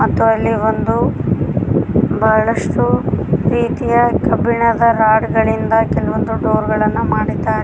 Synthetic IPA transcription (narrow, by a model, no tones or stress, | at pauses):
mɐt̪ːuɐlːiʋond̪u | bɐɦɐɭɐʂʈuɾiːt̪ijɐkɐbiɳɐd̪ɐɾaːɽɡɐɭind̪ɐkɛlɐʋond̪uɖoːɾɡɐɭɐnːumaːɽid̪ːaːɾe